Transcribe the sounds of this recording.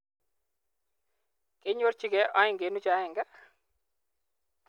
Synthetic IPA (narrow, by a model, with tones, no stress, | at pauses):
ke˦ɲo˦ɾt͡ʃi˦˨ɡɛ˦ʔɔ˦ɪ˦ŋɡe˨˦nu˦t͡ʃa˨˦ɪ˨ŋɡa˦